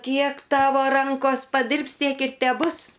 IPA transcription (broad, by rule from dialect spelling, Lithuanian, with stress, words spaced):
ˈkʲiɛk ˈtɑːʋoː ˈrɐŋkoːs pɐˈdʲɪrps ˈtʲiɛk ɪr tʲɛˈbʊs